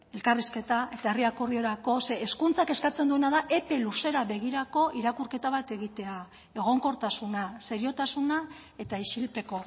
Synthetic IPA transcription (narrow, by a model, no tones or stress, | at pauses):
e̞lkariske̞t̪aʔe̞t̪aeriakoɾðio̞ɾako̞se̞ːskunt͡sake̞skat͡se̞nd̪ue̞naðaʔe̞pe̞luse̞ɾaβe̞ɣiɾako̞ʔiɾakuɾke̞t̪aβ̞at̪e̞ɣ̞it̪e̞a | e̞ɣ̞o̞ŋko̞ɾt̪asunaseɾio̞t̪asuna | e̞t̪aiʃilpe̞ko̞